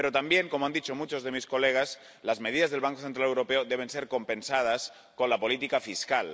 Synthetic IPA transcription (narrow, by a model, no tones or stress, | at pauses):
peɾot̪ambjeŋkomoand̪it͡ʃomut͡ʃozðemiskoleɣ̞as | lazmeð̞iðazðe̞lβaŋkoθent̪ɾalewɾopeoðeβ̞enseɾkompensað̞as | konlapolit̪ikafiskal